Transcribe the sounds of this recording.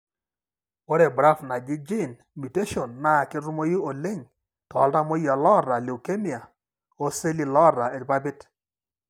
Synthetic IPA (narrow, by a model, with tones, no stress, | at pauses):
o˦ɾɛ˨bɾa˦fna˨ɡɪ˦d͡ʒi˦˨n | mi˨te˦ʃo˨nːa˦˨kɪ˦ɾu˦mo˦ji˦o˨le˦ŋ | tɔ˨˦lda˦mo˦ja˨lɔ˦˨ɾa˨li˨wke˦mi˨a˨ | o˦se˦li˨lɔ˦˨ɾa˨e˨ɾba˦bɪ˦t